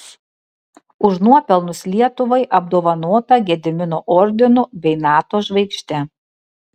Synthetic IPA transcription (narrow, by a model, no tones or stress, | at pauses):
ʊʃnuɔpʲɛlˠnʊslʲiɛt̪ʊʋɐɪʔɐb̚d̪oːʋɐnoːt̪ɐɡʲɛd̪ʲɪmʲɪnoʔɔɾʲd̪ʲɪnʊbʲɛɪnɑːt̪oːʒʋɐɪkʃʲt̪ʲɛ